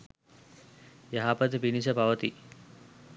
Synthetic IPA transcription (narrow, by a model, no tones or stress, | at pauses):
jaɦapət̪pinis̬əpaʋət̪i